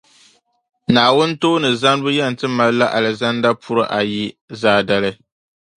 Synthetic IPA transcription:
naː˨wʊ˦n˦toː˦nɨ˨za˦n˦bʊ˦jɛ˦˨n̩˨tɨ˦ma˨lɨ˦la˦ʔa˨lɨ˨za˦n˦da˦pʰu˦ɾɨ˦ʔa˨ji˦zaː˦da˦lɨ˦

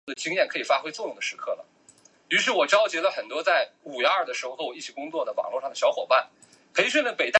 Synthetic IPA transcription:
d̪ə˩t͡ɕi˥ŋjɛ˥˩nkʰɤ˧˥i˨˩fa˥xwe˥ɪt͡swɔ˥˧jʊ˥˩ŋd̪ə˩ʂɻ̩˧˥kʰɤ˥˩lə̰˩ | y˧˥ʂ̬ɻ̩˥˩wɔ˨˩ʈ͡ʂɑ˥ʊt͡ɕjɛ˧˥lə˧xə˨˩nt̪wɔ˥t͡sa˥˩ɪu˨˩ɥɛ˧˥a˞˥˩d̪ə˩ʂɻ̩˧˥xo˧xɤ˧˥wɔ˩i˥˩t͡ɕʰi˨˩kʊ˥ŋt͡swɔ˥˩d̪ə˩wɑ̰˨˩ŋlɔ˥˧ʂɑ˥˩d̪ə˩ɕjɑ˥ʊxwɔ˨˩ʊpa˥˩n | kʰɤ˧˥i˨˩ʂwə˥˩nlə˥˩pe˨˩ɪt̪a˥˩

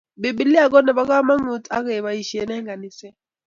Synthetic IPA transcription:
be˨bi˨li˦a˨k̬ɔ˦nɛ˨ɓa˦k̬a˦ma˦ŋu˨˦tʼa̰˦kɛ˨βa˨i˨ʃi˨ɛ˦nɛ˦ŋɡa˨ni˨sɛ˦

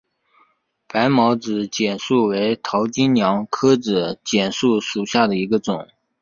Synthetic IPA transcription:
pa˧˥ɪmɑ˧˥ʊt͡sɹ̩˧˩˦t͡ɕjɛ˨˩nʂu˥˩we˧˥ɪt̪ʰɑ˧˥ʊt͡ɕi˥nnjɑ˧˥ŋkʰɤ˥ʈ͡ʂɹ̩˨˩t͡ɕjɛ˨˩nʂu˥˩ʂu˨˩ɕja˥˩d̪ə˩i˧˥ɡə˧ʈ͡ʂʊ˨˩˦ŋ

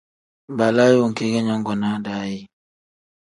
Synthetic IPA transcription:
ba˨la˦jwo˦˨ŋ˨ke˦ɡe˦ɲɔ˦ŋ˦ɡɔ˨na˦da˨˦ji˦

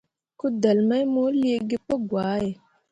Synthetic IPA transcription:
ku˦də˨lma˦jmo˦li˦e˦ɡe˦po˦ɡwaː˨˦je˨

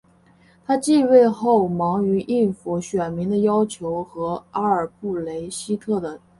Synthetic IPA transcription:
t̪ʰa˥t͡ɕi˥˧we˥˧ɪxo˥˩ʊmɑ˧˥ŋy˧˥ʔi˥˧nfu˧˩ɕɥɛ˨˩nmi˧˥ŋd̪ə˧jɑ˥ʊt͡ɕʰjo˧˥ʊxɤ˧˥a˥ə˞˨˩pu˥˩le˧˥ɪɕi˥t̪ʰɤ˥˩d̪ə˩

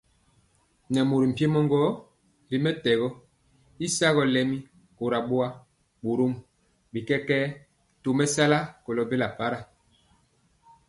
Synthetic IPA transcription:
nɛ˨mo˨ɾi˨m̩˨pe˦mɔ˦ŋɡɔ˦ | bi˨mɛ˦tɛ˨ɣɔ˦ | i˦sa˦ɣɔ˨˦lɛ˨mi˦ | ko˨ɾa˨ɓo˦a˦ | ɓo˨ɾo˦m | bi˨kɛ˦kɛː˦ | to˨mɛ˦sa˦la˦kɔ˨lɔ˨be˦la˨pa˨˦ɾa˨

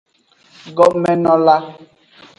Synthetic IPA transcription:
ɡɔ˦mɛ˨nɔ̃˦la˦

